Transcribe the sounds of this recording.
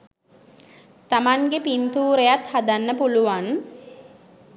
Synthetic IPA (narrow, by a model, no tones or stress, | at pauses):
t̪amaŋɡepint̪uːɾejat̪had̪anːəpuluʋan